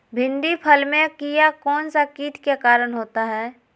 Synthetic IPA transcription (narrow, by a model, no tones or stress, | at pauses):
bʱɪ̃nɖ̪ipʰəlmẽkijakɔːnsakiːʈ̪kekaːɾəñɦoːt̪aɦɛː